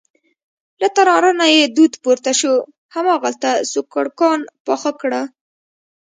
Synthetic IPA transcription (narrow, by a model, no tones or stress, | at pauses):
lat̪aɾɑɾanajed̪ud̪poɾt̪aʃo | hamɑɣalt̪asokaɽkɑnpɑxakɽə